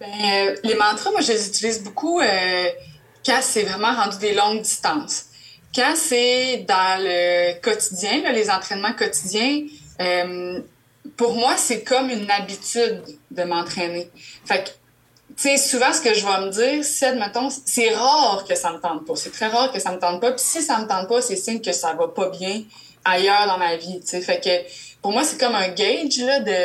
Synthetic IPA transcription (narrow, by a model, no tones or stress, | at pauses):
bɛ̃ølemɑ̃ːt̪χamwaʒəlezyt̪iliːzbukʰuø | kɑ̃sɛvʁɛmɑ̃ʁɑ̃d̪yd̪elɔ̃ŋd̪ist̪ɑ̃ːs | kɑ̃sɛd̪ɑ̃ləkɔt̪id̪jɛ̃lɔlezɑ̃t̪χɛnmɑ̃kɔt̪id̪jɛ̃œm | puʁmwasɛkɔmynabit̪yd̪ːəmɑ̃t̪χɛːnefak | t͡sesuvɑ̃sə̥kəʒəvɐmədd͡ziːʁɛt̪mɛt̪ɔ̃ssɛʁɑːʁkəsamət̪ɑ̃d̪̚pʌsɛt̪χɛʁɑːʁkəsamət̪ɑ̃d̪̚pʌpi̥sisamət̪ɑ̃d̪̚pɔsɛsɪnkʲəsavʌpʌbjɛ̃ | ajœːʁd̪ɑ̃mavit͡sefɛkəpʊʁmwasɛ̥kɔmœ̃ɡʲɛjd͡ʒlɔd̪ə